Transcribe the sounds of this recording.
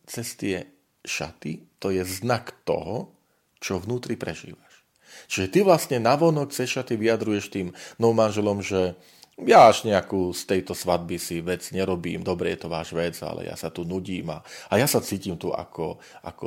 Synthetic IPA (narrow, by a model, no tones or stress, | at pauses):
t͡sɛst̪ɪɛ | ʃa̰t̪it̪ɔjɛznakt̪ɔ̰ɦɔ | t͡ʃɔʋnuːt̪ɾipɾɛʒḭːʋaʃ | t͡ʃiʒɛt̪iʋlast̪ɲɛnaʋɔnɔkt͡sɛsʃat̪iʋijad̪ɾujɛʃt̪iːmnɔʊmanʒɛlɔmʒɛ | jaaʒɲɛakuːst̪ɛjt̪ɔsʋad̪̚bisiʋɛd͡zɲɛɾɔbiːmd̪ɔbɾɛjɛt̪ɔʋa̰ːʒʋɛd͡za̰lɛ̰ja̰sat̪unuɟiːma̰ajasat͡siːcimt̪ua̰kɔ | a̰kɔ